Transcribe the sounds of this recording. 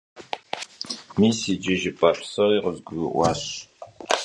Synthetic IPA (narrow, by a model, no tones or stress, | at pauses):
miːsid͡ʒɪʒɪpʼaɬsɐʁiːʁəzɡʷiʔʷaːɕ